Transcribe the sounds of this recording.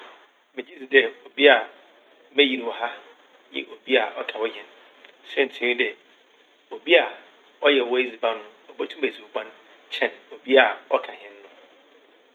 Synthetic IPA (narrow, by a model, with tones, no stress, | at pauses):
mɪ̃˨d͡ʑi˦d͡zi˨dɛ˨o˨bi˦a˨˦ | mɛ̃˦ji˨wɔ˨ɦa˦ | jɪ̰̃˦ʔo˨bi˦a˨ʔɔ˦kʰa˨wɔ˦ɦɛ̃˨n | sɛ˦n̩˨tʰɪ̃˨ɾĩ˦dɛ˨ | o˨bi˦a˨ | ɔ˦jɛ˨wɔ˦i˦zi˨ba˦nʊ̃˦ɔ˨bɔ˦tʰũ˦mæ˨zi˨o˨bã˦n | t͡ɕʰɛ̃˦˨no˨bi˦a˨ɔ̰˦kʰa˨ɦɛ̃˦nː˦ʊ̃˦